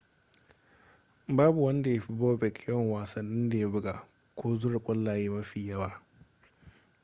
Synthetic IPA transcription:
baː˦bu˨wɐ˦nda˨ja˦ɸi˦boː˦bɛ˨kʲʰwɔ˦˨ŋwaː˨sɐ˨nːɪ˦nda˨ja˦bʊ˦ɡa˨ | kʷʰoː˦zʊ˦ɽɪ˨kʷʼʊ˦lːaː˨je˦mɐ˦ɸi˨jɐ˦waː˦

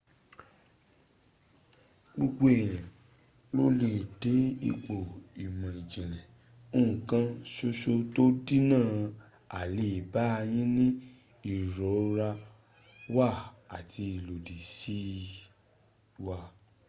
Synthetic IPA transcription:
ɡ͡bu˧ɡ͡bo˦e˨j̃ã˨ | lo˦le˦˨de˨˦ḭ˧k͡po˨i˨mã˨i˨d͡ʒɛ̃˨lɛ̃˨ | o˦ũ˦˨kã˧ʃo˧ʃo˧to˦di˦nãː˦˨ | a˨le˨i˨ba˨˦˧j̃ĩ˦nĩ˦ | i˦˨ɾɔ˨˦ɾa˧ | wa˦˨a˨ti˧i˨lo˨di˨si˦ | wa˧

